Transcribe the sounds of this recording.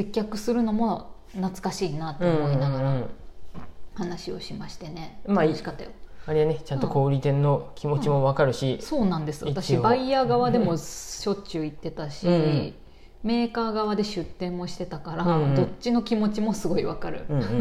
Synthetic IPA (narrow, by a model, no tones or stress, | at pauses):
se̞kʲːakɯ̟sɨɾɯ̟no̞mo̞ | nat͡sɨ̥kaɕiːnat̪ːeomoinaɡaɾa | hanaɕio̞̰ɕimaɕi̥t̪e̞ne̞maikat̪ːa̰joaɾianet͡ɕãnt̪oko̞ːɾʲit̪ẽ̞nːo̞kʲimo̞t͡ɕimo̞βakaɾɯ̟ɕiso̞ːnãnd̪e̞sɨβaat̪aɕibaiaːɡaβ̞ad̪e̞mo̞ɕo̞t͡ɕɨit̪ːe̞t̪aɕi | me̞ːkaːɡaβad̪e̞ɕɨt̪ːẽ̞mːo̞ɕi̥t̪e̞t̪akaɾḁo̞t͡ɕːino̞kʲimo̞t͡ɕimo̞sɨɡo̞iβakaɾɯ̟̰